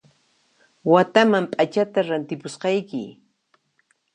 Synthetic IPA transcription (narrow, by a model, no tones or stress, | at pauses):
wat̪amampʼat͡ʃat̪aɾant̪ɪpʊsqɑjkɪ̰